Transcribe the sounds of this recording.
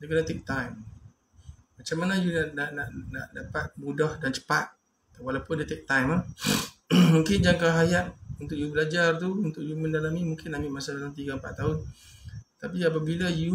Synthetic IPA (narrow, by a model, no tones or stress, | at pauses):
dekənat̪ek̚t̪ajm | mat͡ʃamanajunaʔnaʔnaʔnaʔdapat̪̚budahdant͡ʃə̥pat̪̚ | walapʊndet̪ek̚t̪ajmla | mũŋkɪnd͡ʒaŋkaɦajaʔunt̪ʊk̚jubəlad͡ʒart̪̬uunt̪ʊk̚jumə̃ndalamimũŋkɪnamiʔmasadalamt̪̬iɡampa̰t̪t̪aʊn | t̪apiap̬abilaju